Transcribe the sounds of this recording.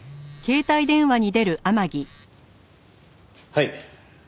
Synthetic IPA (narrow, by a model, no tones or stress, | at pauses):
ke̞ːt̪aid̪ẽ̞ɰ̃βaɲ̟id̪e̞ɾɯ̟ʔamaɡʲi | hai